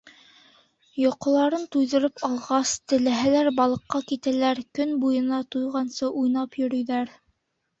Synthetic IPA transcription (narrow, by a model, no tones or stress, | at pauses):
jŏqŏlˠɑɾɤnt̪ujðɤ̆ɾɤpɑlˠʁɑst̪ɘ̆læɦælæɾbɑlˠɤ̆qːɑkit̪ælæɾkɵnbujɤ̆nɑt̪ujʁɑnsɤʔujnɑpjɵ̆ɾɵ̆jðæɾ